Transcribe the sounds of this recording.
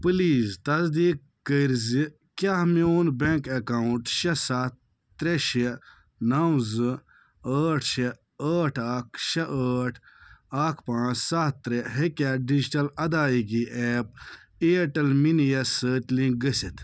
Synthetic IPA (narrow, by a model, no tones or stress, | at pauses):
pɨliːzt̪ɐzd̪iːkːəɾzi | kʲaɦmioːnbeŋkɐkauɳʈʃɐsat̪ː | ɾeʃe | nɐwzɨ | əːʈʰʃe | əːʈʰaːkʃɐʔəːʈʰaːkʰpãːt͡ʃsat̪ːɾeɦekʲaɖid͡ʒʈɐlɐd̪aːiɡiʔɛːp̚ | eːʈɐlminijɐsəːt̪ʲlĩŋɡ̚ɡɐsit̪ʰ